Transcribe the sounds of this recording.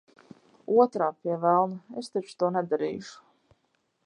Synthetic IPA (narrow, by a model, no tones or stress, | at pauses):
uɔt̪ɾaːpiɛvælˠnaest̪ɛt͡ʃt̪uɔnɛd̪aɾḭːʃu̥